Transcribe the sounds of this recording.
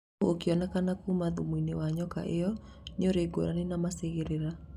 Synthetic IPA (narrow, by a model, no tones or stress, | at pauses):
okiɔnakanakumaðumwinewaɲɔka̰ʔejɔ | ɲɔɾeɡo̰ɾanenamaseɣeɾeɾa